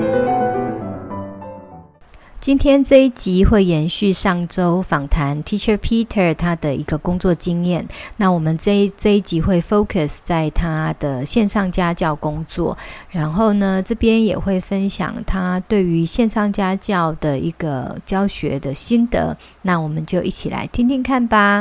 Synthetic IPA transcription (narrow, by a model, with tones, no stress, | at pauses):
t͡ɕi˥nt̪ʰjɛ˥nʈ͡ʂɤ˥˧i˥˩t͡ɕi˧˥xwe˥˩ɪjɛ˧˦˥nɕy˥˧ʂɑ˥˩ŋʈ͡ʂo˥ʊfɑ˨˩ŋt̪ʰa˧˦˥nt̪ʰi˥t͡ʃʰə˥pʰi˥t̪ʰə˥˩t̪ʰa˥d̪ə˨i˧˥ɡə˧kʊ˥ŋt͡swɔ˥˨t͡ɕi˥njɛ˥˩nna˥˩wɔ˨˩mə˨˦n˥˧t͡sɤ˥˧i˥˩t͡ɕi˧˥xwe˥˩ɪfo˥ʊkʰə˨˩st͡sa˥˩ɪt̪ʰa˥d̪̥ə˨ɕjɛ˥˧nʂɑ˥˩ŋt͡ɕja˥t͡ɕjɑ˥˩ʊkʊ˥ŋt͡swɔ̰˥˨ɻa˨˧˥nxo˥˩ʊnə˩ʈ͡ʂɤ˥˩pjɛ˥njɛ̰˨˩xwe˥˩ɪfə˦nɕjɑ̰˨˩ŋt̪ʰa˥t̪we˥˩ɪy˧˦ɕjɛ˥˧nʂɑ˥˩ŋt͡ɕja˥t͡ɕjɑ˥˩ʊd̪̥ə˩i˧˥ɡ̥ə˧t͡ɕjɑ˥ʊɕɥɛ̰˧˥d̪ə˨ɕi˥nd̪ə̰˧˨ | na˥˩wɔ˨˩mə˨˦nt͡ɕjo˥˧ʊʔi˥˩t͡ɕʰi˨˩la̰˧˥ɪt̪ʰi˥ŋt̪ʰi˥˧ŋkʰa˥˩nba˨˩